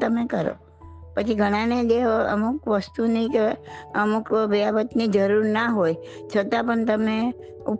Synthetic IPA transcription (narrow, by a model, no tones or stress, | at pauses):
t̪əmekəɾo̰ | pət͡ʃʰiɡʱəɽ̃ãneleə̰mukʋəst̪unĩkeəmukʋəjabət̪nid͡ʒəɾuɾnaɦojt͡ʃʰət̪apəɳt̪əme | up